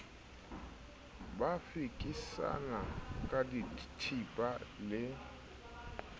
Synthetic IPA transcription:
bafikʼisa̰nakʼaditʰipʼalɪ

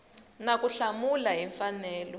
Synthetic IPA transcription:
nakuɬamulaɦiɱfanɛːlɔ

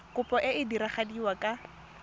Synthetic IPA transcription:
kʼʊpʼɔʔɪɪdiɾaχadiwakʼa

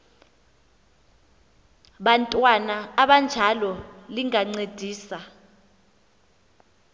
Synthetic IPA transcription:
ɓantʼwanaaɓand͡ʒʱalɔliŋaŋ͡ǀed̥ʱiːsa

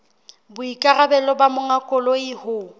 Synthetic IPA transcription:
bʊikʼarabɛlɔbamʊŋakʼʊlɔɪhʊ

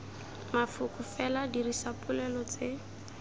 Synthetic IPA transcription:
mafʊkʼʊfɛladirisapʼʊlɛlɔt͡se

